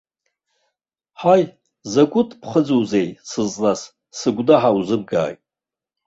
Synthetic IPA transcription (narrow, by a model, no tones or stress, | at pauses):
ħaj | zakʷʼʊtʰʼpʰχəd͡zuwzejsɨzʼnas | sɨɡʷdaħawzɨb̚ɡa̰ːjtʼ